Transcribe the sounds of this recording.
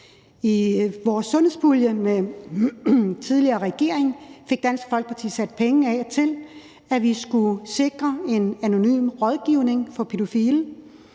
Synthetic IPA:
iʋɒːsːɔ̽nheðˠsb̥uljəme | t͡sʰið̞ˠliɐːʁɛɡ̥e̝ɐ̰eŋfe̝ɡ̥̚d̥ænsɡ̥əfɒ̽l̰ɡ̥̚pʰɑ̈t͡sʰḭːsæd̥̚pʰeŋ̩ɛt͡sʰe̝l | æʋisɡ̥use̝ɡ̥ʁɐe̝næno̝ny̰ːmʁɒð̞ˠɡ̥iʊne̝ŋfɒ̽pʰe̝d̥o̝fiːl

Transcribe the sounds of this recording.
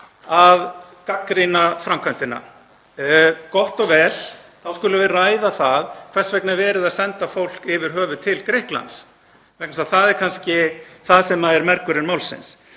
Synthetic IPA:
að | kakɾinafɾamkʰœnt̪ɪna̰ | kɔht̪ɔɣvɛːl̥θawskʏlʏvɪraːjðaθaðkʰv̥ɛsvɛknavɛːɾɪðaðsɛnt̪afowl̥kɪvɪɾ̥ɦœːvʏt̪ʰɪlkɾɪhkla̰nt̪s | vɛhknasaθaðɛɾ̥kʰanscɪθaðsɛmaðɛɾmɛɾkʏɾɪnmawlsɪ̰ns

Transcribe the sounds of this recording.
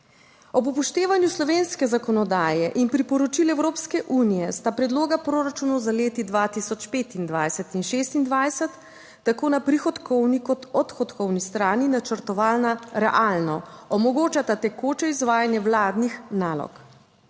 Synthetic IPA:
ɔpupɔʃt̪eːʋanjuslɔʋeːnskɛzakɔnɔd̪aːjɛʔinpɾipɔɾɔt͡ʃilɛwɾoːpskɛʔuːnijɛst̪apɾɛd̪loːɡapɾoːɾat͡ʃunɔzaleːt̪id̪ʋaːt̪isɔt͡ʃpeːt̪ind̪ʋajsɛt̪inʃest̪ind̪ʋajsɛt̪ː | akoːnapɾixɔt̪kʰɔwnikɔt̪ɔt̪xɔt̪kɔwnist̪ɾaːninat͡ʃəɾt̪ɔʋaːlnaɾɛ̰ʔaːlnɔɔmɔɡoːt͡ʃat̪at̪ɛkoːt͡ʃɛizʋaːjanjɛwlaːd̪nixnaːlɔ̰k

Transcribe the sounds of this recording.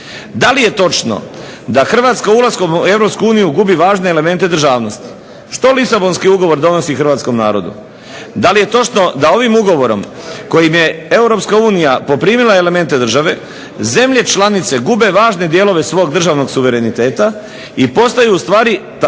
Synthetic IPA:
d̪alije̞t̪o̞t͡ʃno̞̰d̪axr̩ʋaːt̪skauulˠasko̞mue̞vɾo̞pskuuːnijuɡubiʋaːʒneːle̞me̞nt̪e̞d̪rʒaːʋno̞st̪i̥ | ʃt̪o̞lisabo̞nskiuɡo̞ʋo̞ɾd̪o̞no̞sixr̩ʋaːt̪sko̞mna̰ːɾo̞d̪ṵ | d̪alije̞t̪o̞t͡ʃno̞d̪ao̞ʋimuɡo̞ʋo̞ɾo̞m | ko̞jimje̞e̞uɾo̞pskauːnijapo̞pɾiːmilˠaele̞me̞nt̪e̞d̪r̩ʒaʋe̞ | ze̞mʎe̞t͡ʃlanit̪se̞ɡube̞ʋaːʒne̞d̪je̞ːlo̞ʋe̞sʋo̞ːɡd̪r̩ʒaːʋno̞ɡsuʋe̞ɾe̞nit̪e̞ːt̪a | ipo̞st̪ajuːst̪ʋaːɾi

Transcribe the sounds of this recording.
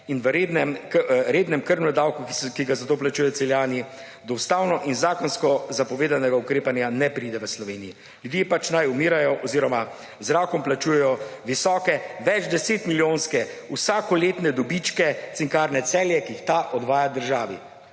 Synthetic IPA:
inʋəɾed̪nɛmkɾeːd̪nɛmkəɾnɔd̪awkukiɡazat̪oːplat͡ʃujɛw̪sɛljaːni | d̪ɔwst̪aːwnɔʔinzaːkɔnskɔzapɔʋeːd̪anɛɡaukɾeːpanjanɛpɾiːd̪ɛʋəslɔʋeːniji | lʲjud̪jepat͡ʃnajumiːɾajɔʔɔziːɾɔma | zɾaːkɔmplat͡ʃuːjɛjɔʋisɔːkɛʋɛd͡ʒd̪ɛseːt̪miljoːnskɛusaːkɔleːt̪nɛd̪ɔbit͡ʃkɛt̪siŋkaːɾnɛsɛːljɛkiixt̪aʔɔd̪ʋaːjad̪əɾʒaːʋḭ

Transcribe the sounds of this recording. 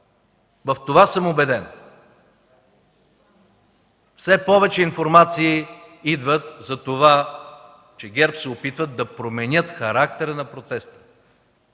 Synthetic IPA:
vɐft̪ovasəmobɛd̪ɛn | fsɛpɔvɛt͡ʃɛinfoɾmat̪siːid̪vət̪zɐt̪ova | t͡ʃɛɡʲɛɾpsɛopit̪vəd̪ːɐpɾomɛnʲjɤt̪xɐɾak̚t̪ɛɾənɐpɾot̪ɛst̪ə̥

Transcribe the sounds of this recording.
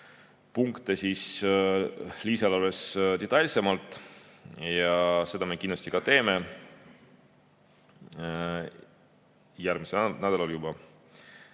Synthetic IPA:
puŋkt̪e̞sis | liːsɑlɑlest̪et̪ːˑɑlʲsemɑlt̪ːˑ | jɑse̞d̪̥ɑme̞kinlɑst̪ikɑt̪e̞ːme̞ | jærmisenæd̪ɑlɑljubɑ

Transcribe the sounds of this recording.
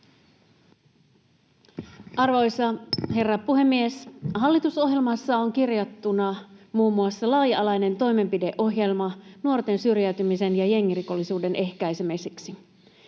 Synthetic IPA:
ʔɑrʋo̞jsɑɦe̞rːɑpuɦe̞mːieshɑlːit̪uso̞ɦje̞lmɑsːɑoŋk̟irjɑt̪ːunɑmuːmːuɑsːɑlɑːjɑlɑjne̞nt̪o̞jme̞mpide̞ʔo̞ɦje̞lmɑnuo̞rt̪e̞nsyrjæyt̪ymise̞njɑje̞ŋːiriko̞lːisuːde̞ne̞hkæjsemesiksi

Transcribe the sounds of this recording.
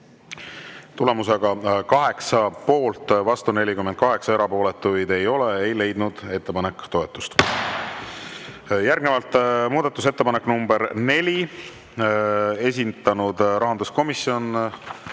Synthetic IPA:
t̪ule̞muse̞ɡ̥ɑkɑɦe̞ksɑpo̞ːlt̪ˑvɑst̪une̞lʲikyment̪̚kɑɦe̞ksɑe̞ɾɑpo̞ːle̞t̪ːˑujd̪e̞jo̞leejle̞jd̪̥nud̪̥e̞t̪ːe̞pɑne̞kːt̪o̞e̞t̪ːˑust̪ | jærɡnevɑlt̪ːˑmuːd̪ɑt̪ːˑus̬e̞t̪ːe̞pɑnekːnumbe̞ɾne̞lʲi | e̞s̬ʲint̪ˑɑnud̪ɾɑɦɑnd̪usko̞misio̞n

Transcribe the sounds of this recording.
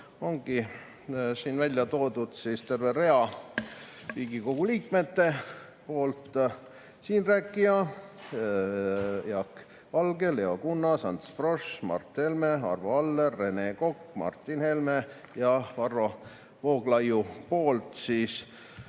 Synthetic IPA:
o̞ŋɡ̥i | siːnvælʲjɑt̪o̞ːd̪ud̪̥siːst̪e̞rvere̞ɑ | riːɡiko̞ɡ̥uliːk̚me̞t̪ːe̞ | po̞ːlt̪ | siːnræːkˑːiɑ | jɑk | vɑlɡe̞le̞o̞kunːɑsɑnt̪sfro̞ʃmɑ̰rt̪he̞lme̞ɑ̰rvoɑlːeːe̞ne̞ko̞kːmɑ̰rt̪ːˑinhe̞lme̞ | jɑvɑrːo̞ | vo̞ːɡ̥lɑjupo̞ːlt̪siːs

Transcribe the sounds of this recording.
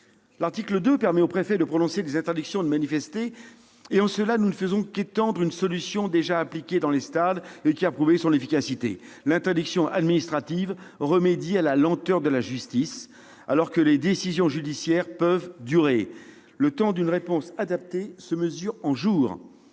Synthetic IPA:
laʁt̪ikləd̪øpɛʁmɛopχefɛd̪əpχɔnɔ̃sed̪ezɛ̃t̪ɛʁd̪yksjɔ̃d̪əmanifɛst̪eː | ɑ̃səlanunəfəzɔ̃ket̪ɑ̃d̪ʁynsɔlysjɔ̃d̪eʒaːplikʲed̪ɑ̃lest̪ad̪ekʲiapχuvesɔ̃nefikʲasit̪ḛ | lɛ̃t̪ɛʁd̪yksjɔ̃ʔa̰d̪minist̪χat̪ivʁəmed̪ialalɑ̃t̪œʁd̪əlaʒyst̪is | a̰lɔʁkəled̪esizjɔ̃ʒyd̪isjɛʁpœvd̪yʁe | lət̪ɑ̃d̪ynʁepɔ̃sad̪ap̚t̪esəməzyʁɑ̃ʒuːʁ

